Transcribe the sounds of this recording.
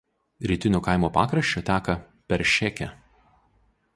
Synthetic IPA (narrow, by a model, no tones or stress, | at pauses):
ɾʲiːt̪ʲɪnʲoːkɐˑɪmoːpɑ̰ːkɾɐʃʲt͡ʃʲoːt̪ʲæːkɐ | pʲɛɾʲʃʲɛkʲɛ